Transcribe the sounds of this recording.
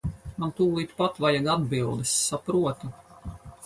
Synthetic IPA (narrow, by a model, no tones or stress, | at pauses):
mant̪uːlˠit̪pat̪vajaɡad̪bilˠd̪ɛsːapɾuɔt̪u